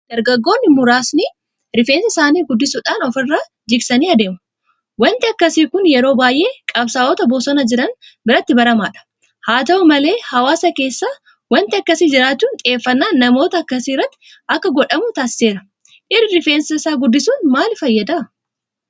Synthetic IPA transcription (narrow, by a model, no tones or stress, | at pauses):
d̪̥ɐɾɡɐɡːo̞ːnːɪmʊɾaːsni | ɾɪfeːnsɐsaːniːɡʊd̪ːɪsuːᶑaːnɔfɪrːaː | d͡ʒɪɡsɐniːɐd̪e̞ːmʊ | wɐnt̪ɪɐkːɐsiːkʊnjɛɾo̞ːbaːjʔe̞ːkʼɐbsaːʔɔt̪ɐboːsɔnɐd͡ʒɪɾɐn | bɪɾɐt̪ːɪbɐɾɐma̰ːᶑɐ̥ | haːt̪ɐʔʊmɐle̞ːhɐwaːsɐke̞ːsːaː | wɐnt̪ɪɐkːɐsiːd͡ʒɪɾaːt͡ʃːuːnt̪ʼɪe̞ːfːɐnːaːnːɐmo̞ːt̪ɐːkːɐsiːrːɐt̪ːɪ̥ | ɐkːɐɡɔᶑɐmʊt̪aːsɪ̥se̞ːɾɐ | ʔɪrːɪɾɪfe̞ːnsɐsaːɡʊd̪ːɪsuːnmaːlfɐjːɐd̪ɐ